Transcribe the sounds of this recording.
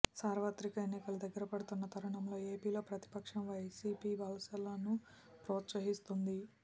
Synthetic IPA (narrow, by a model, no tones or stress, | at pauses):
saːɾʋɐt̪ɾikɐenːikɐlud̪ɐɡːɐɾɐpɐɽut̪unːɐt̪ʰɐɾɐɳɐmlo̞ːe̞ːpiːlo̞ːpɾɐt̪i̥pɐkʂɐmʋɐjsiːpiːbʱɐlɐsɐlɐnu | pɾoːt̪sɐɦist̪und̪i